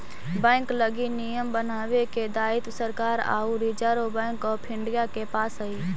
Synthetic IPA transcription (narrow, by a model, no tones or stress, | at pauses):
bɛ̃ːŋkləɡinijəmbənaːweked̪aːɪt̪səɾkaːɾa̰ːuɾid͡ʒaːɾobɛ̃ːŋkɔːɾpʰɪ̃ɳɖijakepaːsɦəi